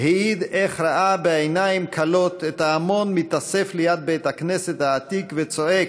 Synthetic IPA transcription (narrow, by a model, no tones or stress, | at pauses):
heid̪eχɾaʔabeejnaimkʰalo̞t̪et̪aːmo̞nmit̪aseflejad̪̚beet̪hakneset̪haːt̪ikvet͡so̞ek